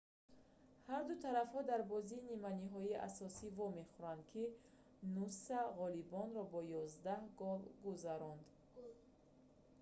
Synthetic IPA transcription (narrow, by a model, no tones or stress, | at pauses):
haɾd̪ut̪ʰaɾafhɔd̪aɾbɔziːnimaniɦɔiʔa̰sɔsivɔme̞χuɾand̪̚kʰi | nusaʁɔlibɔnɾɔbɔjɔzd̪ahɡɔvɡuzaɾɔnd̪